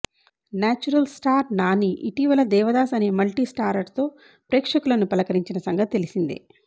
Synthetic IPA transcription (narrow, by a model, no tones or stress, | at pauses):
naːt͡ʃuɾɐlsʈaːɾnaːniʔiʈiːʋɐlɐd̪ɛːʋɐd̪aːsɐne̞ːmɐlʈisʈaːɾɐʈt̪o̞ː | pɾeːkʂɐkulɐnupɐlɐkɐɾiɲt͡ʃinɐsɐŋɡɐt̪it̪elisind̪ḭ